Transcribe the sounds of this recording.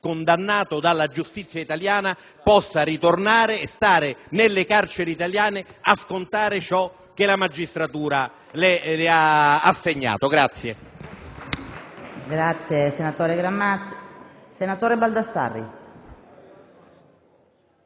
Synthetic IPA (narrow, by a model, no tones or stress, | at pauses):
kond̪anːaːt̪od̪alːad͡ʒust̪it̪sjait̪aljaːna | pɔsːaɾit̪ornaːɾeːst̪aːɾɪnɪlːɪkart͡ʃeɾeit̪aljaːnɪaskont̪aːɾɪt͡ʃɔ | k̟ːelamad͡ʒːist̪ɾat̪uːɾa | lelɪaːsːeɲːa̰ːt̪oɡɾat̪sːje | ɡɾat̪sːjesenat̪ɔːɾeɡɾamːa | senat̪oːɾebald̪asa̰rːḭ